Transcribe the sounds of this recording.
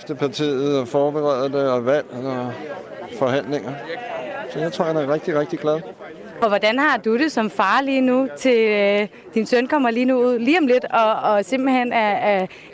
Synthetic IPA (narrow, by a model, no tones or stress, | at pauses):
fd̥əpʰɑ̈t͡sʰḭːð̩ˠɒfɒːb̥eʁɛðˠd̥eɒ̽ʋæl̰ɒ | fɒ̽ɦæn̰leŋɐ | sɒ̽jäɪt͡sʰʁo̝ɐ̰hænæɐʁɛɡ̥̚d̥iʁɛɡ̥̚d̥iɡ̥læðˠ | fɒ̽ʋɒd̥ænhɑ̈d̥uɾ̥e̝sɒ̽mfɑ̈ːliːnut͡sʰe̝l | d̥insœnkʰɒ̽m̰ɐliːnuuð̰ˠliːɒ̽mle̝d̥ɒ̽ːse̝m̰b̥l̩hen̰æ